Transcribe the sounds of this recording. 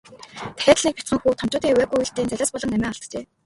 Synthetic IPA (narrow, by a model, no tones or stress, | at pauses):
t̪ʰæ̥xʲaːt̪ɮiːkpʲḁt͡sχə̆ŋxuːt̪ʰɔm̥t͡ɕʊːt̪iːwæːɣujuɮt̪iːnt͡sæɮʲaːspɔɮɞ̆næmʲæːɔɮt̪t͡ɕeː